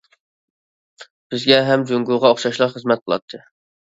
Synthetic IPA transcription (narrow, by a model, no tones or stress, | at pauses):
b̥ɪzɡʲɛɦɛmd͡ʒuŋɡuʁɑoχʃɑʃlˠɑqχəzmɛt̪̚qʰlˠɑ̰t̪ʰːɨ